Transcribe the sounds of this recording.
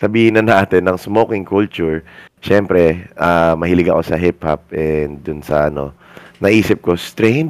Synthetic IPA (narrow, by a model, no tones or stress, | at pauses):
sɐbiːhɪnːɐnʔaːt̪ɪnːɐŋsmoːkɪŋkult͡ʃʊɹʃɛmpɾɛʔamɐhilɪɡɐko̞sɐɦɪpha̰p̚ʔɛnd̪ʊnsɐ̰ʔɐno̞̰ | nɐʔiːsɪp̚ko̞st̪ɾɛjnd̪